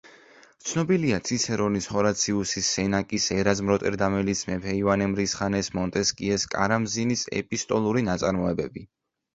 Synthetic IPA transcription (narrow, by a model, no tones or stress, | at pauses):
t̪sʰnɔbiliat̪sʰit̪sʰɛɾɔnishɔɾat̪sʰiusisːɛnakʼisɛɾazmɾɔt̪ʼɛɾd̪amɛlismɛpʰɛivanɛmɾisχanɛsmɔnt̪ʼɛskʼiɛskʼa̰ɾamzinisɛ̰pʼist̪ʼɔlˠuɾinat̪sʼa̰ɾmɔɛbɛbi